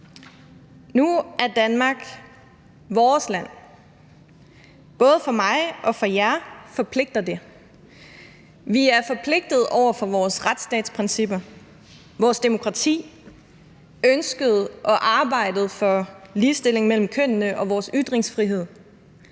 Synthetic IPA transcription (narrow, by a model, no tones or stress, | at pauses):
nuæɐd̥ænmɑ̈ːɡ̥ | ʋɒːslæn̰ | b̥ɔ̽ːð̞̩ˠəfɒ̽mɑ̈ɪʔɒ̽fɒ̽jæfɒ̽pʰle̝ɡ̥̚d̥ɐd̥e̝ | ʋiæɐfɒ̽pʰle̝ɡ̥̚d̥ð̞̩ˠʔɒʊ̰ɐfɒ̽ʋɒːsʁad̥sd̥ɛ̰ːd̥spʰʁensib̥ɐ | ʋɒːsd̥e̝mo̝kʰʁɑ̈t͡sʰḭː | ønsɡ̥əð̞̩ˠʔɒ̽ʔɑ̈ːb̥ɑ̈ɪ̰d̥ð̞̩ˠfɒ̽liːsd̥e̝l̰e̝ŋmel̰m̩kʰøn̰nəʔɒ̽ʋɒːsyd̥ʁeŋsfʁiɦe̝ð̞̰ˠ